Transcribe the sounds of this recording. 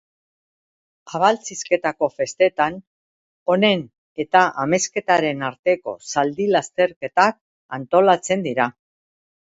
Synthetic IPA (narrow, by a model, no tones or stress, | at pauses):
aβalt͡siske̞t̪ako̞fe̞st̪e̞t̪an | o̞ne̞n | e̞t̪aʔame̞ske̞t̪aɾe̞naɾt̪e̞ko̞̰sald̪ilast̪e̞ɾke̞t̪ak̚ | ant̪o̞lat͡se̞nd̪iɾa